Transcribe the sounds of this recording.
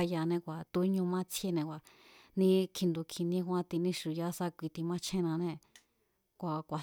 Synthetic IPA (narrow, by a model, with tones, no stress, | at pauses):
ja˧nẽ˧kʷa˨t̪u˧˦ɲũ˧mã˦t͡sʰje˧nẽ˧kʷa˨nĩ˦kʰi˧nd̪u˧kʰĩ˧nĩ˦kʷã˦t̪i˧nĩ˦ʃu˨ja˦sa˦kʷi˧t̪i˧mã˦t͡ʃʰẽ˦˧nã˧nẽ˧ | kʷa˨kʷa˨